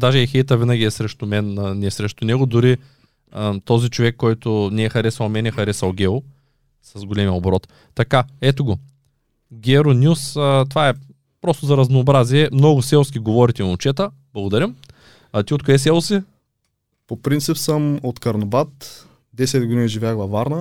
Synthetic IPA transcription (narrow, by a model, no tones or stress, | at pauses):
d̪aʒɛɛxɛjt̪əvinɐɡʲiɛsɾɛʃt̪ʊmɛnnɛsɾɛʃt̪ʊnɛɡʊd̪ʊɾi | ət̪ɔzit͡ʃovɛkːɔjt̪ʊnɛːxɐɾɛsɐlˠmɛnɛxɐɾɛsɐlˠɡʲɛʊ | sɐzɡolʲɛmiɛobɾɔt̪ːɐkaɛt̪oɡo | ɡʲɛɾonʲjusət̪ovaɛ | pɾɔst̪ʊzɐɾɐznoːbɾaziɛmnɔɡʊsɛlˠskʲiɡovɔɾit̪ɛnʊt͡ʃɛt̪ə | b̥lˠɐɡʊd̪ɐɾʲəmː | t̪iot̪koɛs̬ɛlˠsi | popɾint̪sipsəmot̪kɐɾnobat̪ | d̪ɛsɛd̪ɡod̪iniʒivʲjaxvˠɐvaɾnə